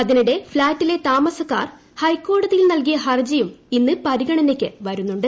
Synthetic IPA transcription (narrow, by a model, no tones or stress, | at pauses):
ɐðinuɽe̞flaːtːile̞t̪aːmɐsɐkːa̰ːr | hɐjkːo̞ːɽɐðijilnɐlk̬ijɐɦɐrd͡ʑɐjuminːɨpɐɾiɣɐɳɐnekʲːɨʋɐɾunːuɳɖɨ